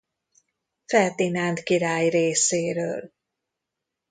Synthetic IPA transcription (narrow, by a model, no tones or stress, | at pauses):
fɛlt̪inaːnt̪kiɾaːjreːseːɾøːl